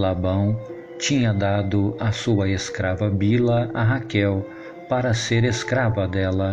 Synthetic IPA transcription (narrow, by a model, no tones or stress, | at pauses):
labɐ̃w̃ | t͡ʃĩɲɐd̪ad̪ʊasuɐeskɾavɐbilɐaɦakɛw | paɾɐseɾeskɾavɐd̪ɛlɐ